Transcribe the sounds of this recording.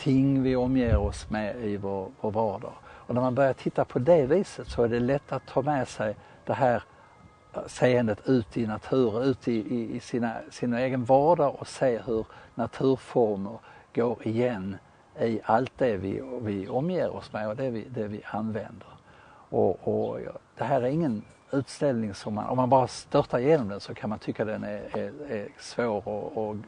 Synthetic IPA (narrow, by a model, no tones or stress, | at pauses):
t̪ʰɪŋvɪɔmːjeːɾɔsmɛɪvoɾvoːɾvɑːɖɑ̰ɾɔnæɾmanbœɾjaʈʰɪt̪ːapʰɔd̪ɛviːsət̪sɔæɖɛlɛt̪ʰːat̪ʰːɑːmɛsɛj | d̪̥ɛɦæːɾ | seːənd̪ət̪ʰʉ̟ːt̪ɪnat̪ʰʉ̟ːɾənʉ̟ːt̪ʰɪɪɪsɪnasɪnaeːɡənvɑːɖaɾɔseːɦɵɾnat̪ʰʉ̟ːɾfɔɾməɾɡ̥oːɾɪjɛnː | ɪalt̪̚d̪ɛvɪ̰vɪɔmːjeːɾɔ̰smɛɔd̪ɛvɪd̪ɛvɪʔanvɛnd̪əɾ | ʔɔɔd̪̥ɛɦæːɾæɾɪŋːən | ʉ̟ːt̪st̪ɛlnɪŋsɔmːa̰nʔɔ̰mːanbɑːɾast̪œɾt̪aɾjeːnɔmd̪ɛnsɔkʰanmant̪ʰʏkːad̪ɛnæææsvoːɾɔɔ